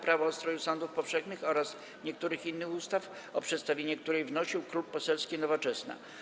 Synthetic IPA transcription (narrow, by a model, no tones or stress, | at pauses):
pɾavɔːst̪ɾɔjusɔnd̪ufpɔfʂɛxnɘxɔɾas | ɲɛkt̪uɾɘxinːɘxust̪af | ɔpʂɛt̪st̪avʲjeɲɛkt̪uɾɛjvnɔɕiwkɾuppːɔsɛlskʲinɔvɔt͡ʂɛsna̰